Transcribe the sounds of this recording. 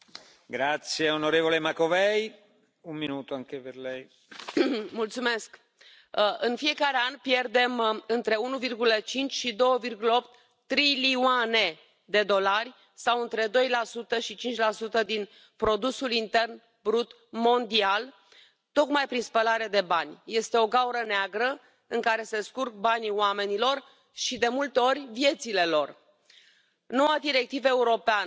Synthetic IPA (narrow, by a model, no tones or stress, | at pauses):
ɡɾat̪sjeonoɾevolemakovɛj | umminuːt̪oaŋkeperlɛj | mult̪sume̞sk | ʔɨnfie̞kaɾe̞anpje̞rd̪e̞mɨnt̪ɾe̞unuvirɡulət͡ʃint͡ʃʲʃid̪o̞wəvirɡuləop̚t̪ː | ɾiliuane̞ | d̪e̞d̪o̞larʲ | sawɨnt̪ɾe̞d̪o̞jlasut̪əʃit͡ʃint͡ʃʲlasut̪əd̪in | pɾo̞d̪usulint̪e̞rn | bɾut̪ | mo̞nd̪ial | t̪o̞kmajpɾinspəlaɾed̪e̞banʲje̞st̪e̞o̞ɡauɾəneaɡɾə | ɨŋkaɾe̞se̞skurk̚banʲioame̞nilo̞r | ʃid̪e̞mult̪e̞o̞rʲvje̞t̪sile̞lo̞r | no̞wad̪iɾe̞k̚t̪ivəe̞uɾo̞pean